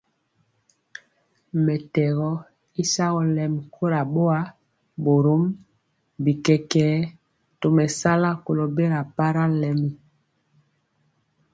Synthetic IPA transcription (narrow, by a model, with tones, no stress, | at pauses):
mɛ˨tɛ˨ɣɔ˦ | i˦sa˦ɣɔ˦lɛ˨m˨kʰo˦ɾa˨ɓo˦a˦ | bo˨ɾo˦m | bi˨kɛ˨kɛː˨˦ | to˨mɛ˨sa˦la˦ko˨lo˨be˦ɾa˨pa˦ɾa˦lɛ˦˨mi˨